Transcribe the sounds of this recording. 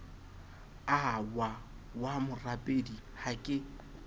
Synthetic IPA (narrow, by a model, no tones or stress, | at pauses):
awa | wamʊrapʼedihakʼɪ